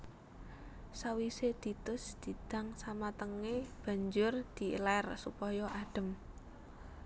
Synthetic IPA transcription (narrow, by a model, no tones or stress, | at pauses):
sawised̪̥i̤t̪ʊsd̪̥i̤d̪̥a̤ŋsamat̪əŋeb̥a̤ɲd͡ʒʊrd̪̥i̤lɛrsupɔjɔʔaɖ̥ə̤m